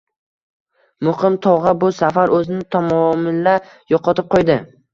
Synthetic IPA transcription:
mʊχɪmt̪ʰɒʁabʊsafaɾʔɵzɪnɪt̪ʰamɒmɪlːa | joqʰɒt̪ʰɪp̚qʰojd̪ɪ

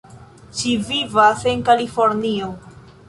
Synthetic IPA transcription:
t͡ʃivivase̞nkalifo̞ɾnio

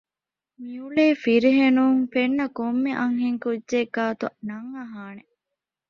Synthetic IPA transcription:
miuleːfiɾiɦenuːŋfenːɐkomːeʔɐŋɦeŋkudːd͡ʒeːɡaːt̪unɐŋːɐɦaːne

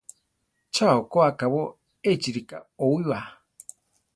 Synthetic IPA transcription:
t͡ʃaokoakaβo | et͡ʃiɾika̰oiwa

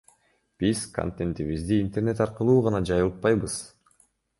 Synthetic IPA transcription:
b̥iz̥ko̰nt̪ent̪iβizd̪iːnt̪ernet̪ɑɾqɯlˠuːʁɑnɑd͡ʒɑjɯlˠt̪̚pɑjbɯz̥

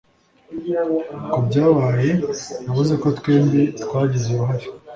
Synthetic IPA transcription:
kubɟaːβaːje̞jaβuzeko̞t̪kweːmbet̪kwaːɟizejuɦaɾo̥

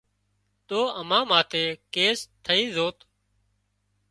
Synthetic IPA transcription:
t̪oːʔəmãːmaːt̪ʰeːkeːst̪ʰːəĩːzoːt̪

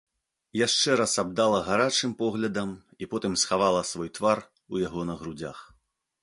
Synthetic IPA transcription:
jaʂt͡ʂɛɾasab̚d̪alˠɐɣaɾat͡ʂɨmpɔɣlʲɐd̪ɐm | ipɔt̪ɨmsxavalˠɐsvɔjt̪var | ujaɣɔnɐɣɾud͡zʲa̰x

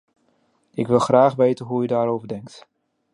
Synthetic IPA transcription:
ʔɪkʋɪlˠxraːxʋeːtənɦujədaːɾowvərdɛŋk̚t

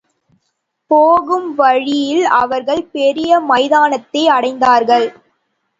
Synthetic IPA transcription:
poːɣɯmʋɐɻɪjɪlɐ̰ʋɐɾɣɐɭpɛɾɪjɐmɐɪðaːnɐt̪ːɐɪɐɽɐɪnd̪aːɾɣɐɭ

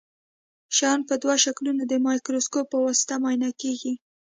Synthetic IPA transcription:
ʃɑɑnpəd̪waʃaklunod̪əmɑjkɾoskopːəwɑsɪ̥t̪amɑjnɑkeɡi

